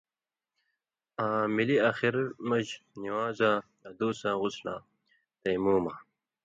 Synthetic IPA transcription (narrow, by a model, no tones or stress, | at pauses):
aːmiliaxiɾmɐʑniwaːzãːjaːd̪uːsãːʁʊslã̰ː | t̪ejmuːmaː